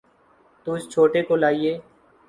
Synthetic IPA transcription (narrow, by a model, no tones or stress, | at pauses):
t̪uːd͡ʒt͡ʃʰoːʈekolaːieː